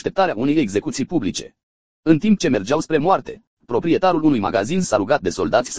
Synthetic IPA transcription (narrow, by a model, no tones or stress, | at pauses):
t̪e̞pt̪aɾeaune̞jeɡze̞kut̪sijpublit͡ʃe̞̰ | ɨnt̪imp̚t͡ʃe̞me̞rd͡ʒawspɾe̞moart̪e̞ | pɾo̞pɾie̞t̪aɾulunujma̰ɡa̰zinsaɾuɡat̪̚d̪e̞so̞ld̪at̪sʲs